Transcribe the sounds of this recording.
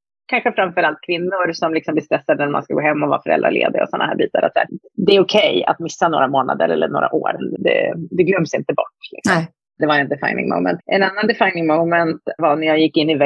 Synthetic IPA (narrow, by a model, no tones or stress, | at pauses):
kʰanɧəfɾamfœɾalt̪̚kʰvɪnːʊɾsɔmlɪksɔmb̪lɪst̪ɾɛsːad̪ənæɾmanskaɡo̰ːɦɛmːɔva̰fœɾɛ̰ld̪ɾa̰ɭlḛːd̪ə̰ɔ̰sɔnːahæːbiːt̪aɾʔɔ̰t̪æ̰ːɾd̪ɛːʊkʰɛja̰t̪mɪsːanoːɾamoːna̰d̪əɾɛlːəɳoːɾa̰ʔoːɾnd̪ɛ̰d̪ɛɡlœmːsɪnt̪əbɔʈːlɪksɔm | d̪ɛvaɾɛnd̪ɛfa̰jnɪ̰ŋmo̰ʊmɛ̰nt̪ʔɛnanːand̪ɛfajnɪŋmoʊmɛnt̪vanæɾjɑːɡjɪkːɪnːɪvɛ